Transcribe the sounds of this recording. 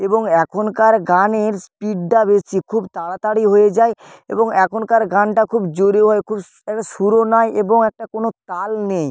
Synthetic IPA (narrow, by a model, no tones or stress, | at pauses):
eboŋɛkʰonkaɾɡaneɾspiɖːabesikʰubt̪aɽat̪aɽiɦoed͡ʑae | ḛboŋɛkʰonkaɾɡanʈakʰubd͡ʑoɾioɦɔekʰub | ɛk̚ʈaʃuɾonaeʔeboŋɛk̚ʈakonot̪alnej